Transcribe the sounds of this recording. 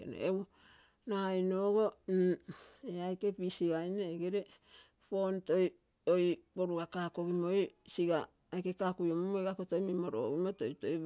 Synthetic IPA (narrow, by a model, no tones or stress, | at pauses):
n̰ew | najnoːɡo̞ | eajke̞pisiɡajneeɡeɾe̞ | po̞nto̞j | ojbo̞ɾuɡakaːko̞ɡimo̞jsiɡaː | jkekakujomomojɡakoto̞jmimoɾo̰ɡimotojtoj